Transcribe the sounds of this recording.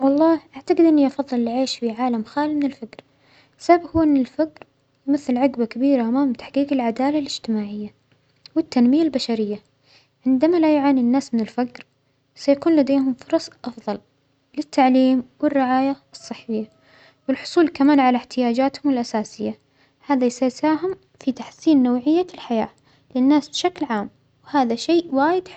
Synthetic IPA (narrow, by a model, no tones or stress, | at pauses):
wɑlˤːɑːhʔaʕt̪aɡɪd̪ʔɪnːiʔɑfɑðˤːɨlɪlʕeːʃfiʕaːlamxaːlimɪnɪlfakɾ | sababhuːʔɪnːɪlfakɾ | jmɪθːɪlʕaɡbakabiːɾaʔamaːmt̪aħqiːqɪlʕad̪aːlalɪd͡ʒt̪ɪmaːʕɪjːa | wɪt̪ːanmɪjalbaʃaɾɪjːa | ʕɪnd̪amalajʕaːninːaːsmɪnɪlfakɾ | sajakuːnlad̪eːhʊmfʊɾˤɑsˤʔɑfðˤɑl | lɪt̪ːaʕliːmwɪrːɪʕaːjasˤːɨħːɪjːa | wɪlħʊ̥sˤuːlkamaːnʕalaħt̪ɪjaːd͡ʒaːt̪hʊmɪlʔasaːsɪjːa | haːðasajsaːɦɪm | fit̪aħsiːnːowʕɪjːalħajaː | lɪnːaːsbɪʃaklʕaːm | wɪhaːðaʃeːʔwaːjɪd̪